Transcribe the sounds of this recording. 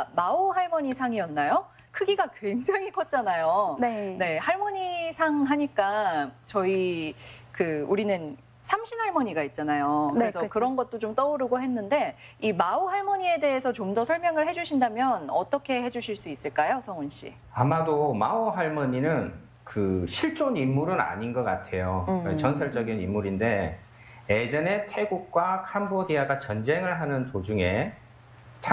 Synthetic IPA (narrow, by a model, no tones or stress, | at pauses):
maoɦaɭmʌɲisʰaŋiʌnːajokʰɯɡiɡakwe̞ŋd͡ʑaŋik͈ʰʌt̚t͡ɕ͈anajonene̞haɭmʌɲisʰaŋɦaɲik͈at͡ɕʌi | kɯuɾinɯn | sʰamɕʰinɦaɭmʌɲiɡait̚t͡ɕ͈anajokɯɾesʰʌkɯɾʌnɡʌt̚t͈ot͡ɕomt͈ʌuɾɯɡoɦe̞nːɯnde̞ | imauhaɭmʌɲie̞de̞ɦesʰʌt͡ɕomdʌsʰʌɭmjʌŋɯɭɦe̞d͡ʑuɕʰindamjʌnʌt͈ʌkʰe̞he̞d͡ʑuɕʰiɭs͈uis͈ɯɭk͈ajosʰʌŋunɕ͈ḭ | amadomaoɦaɭmʌɲinɯn | kɯɕʰiɭt͡ɕ͈onimːuɾɯna̰ɲinɡʌk͈atʰe̞joet͡ɕʌnsʰʌɭt͡ɕ͈ʌɡinimːuɾinde̞ | ed͡ʑʌne̞tʰe̞ɡuk̚k͈wakʰambodiaɡat͡ɕʌnd͡ʑe̞ŋɯɭɦanɯntod͡ʑuŋe̞ | t͡ɕʰa